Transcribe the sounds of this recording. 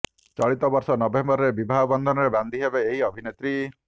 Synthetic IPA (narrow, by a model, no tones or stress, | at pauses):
t͡ʃɔɭit̪ɔbɔɾsɔnɔbembɔɾɔɾebibʱaɦɔbɔnd̪ʱɔnɔɾeband̪ʱiɦebeːɦiɔbʱinet̪ɾi